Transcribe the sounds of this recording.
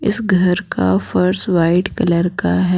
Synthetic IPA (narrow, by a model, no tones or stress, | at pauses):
ɪsɡʱɐɾka̰fɐɾsʋaːɪɖkɐləɾkaɦɛ